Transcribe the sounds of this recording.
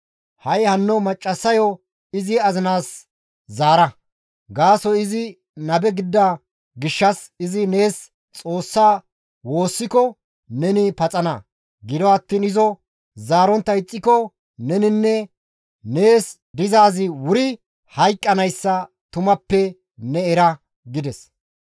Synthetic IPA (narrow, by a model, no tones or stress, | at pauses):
hɐjhɐnːɔmɐt͡ʃʼːɐsːɐjɔ | ɪzɪɐzɪnaːs | zaːɾɐ | ɡaːsɔɪzɪ | nɐbɛɡɪd̪ːa | ɡɪʃːɐs | ɪzɪne̞ːs | t͡sʼo̞ːsːaː | wo̞ːsːɪkɔ | nɛnɪpɐt͡sʼɐnɐ | ɡɪd̪ɔɐt̪ːiːnɪzɔ | zaːɾɔnt̪ːɐɪt͡sʼːɪkɔ | nɛnɪnːɛ | ne̞ːs | d̪ɪzaːzɪwʊɾɪ | hɐjkʼːɐnɐjsːɐ | t̪ʊmɐpːɛ | nɛɛɾɐ | ɡɪd̪ɛs